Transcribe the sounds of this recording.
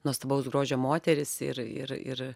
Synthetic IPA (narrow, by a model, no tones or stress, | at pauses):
nuɔst̪ɐbɐʊsɡɾoːʒʲɛmoːt̪ʲɛɾʲɪsɪɾɪ̰ɾɪ̰ɾ